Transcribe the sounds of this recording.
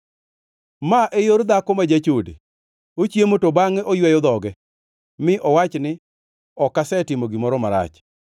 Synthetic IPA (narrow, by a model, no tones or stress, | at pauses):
maʔejoɾd̪akɔmad͡ʒat͡ʃodḛ | ot͡ʃjemotobaŋɛʔojwɛjɔd̪ɔɡɛ | mɪʔɔwat͡ʃnɪ | ɔkːasɛtɪmoɡɪmɔɾɔmaɾa̰t͡ʃ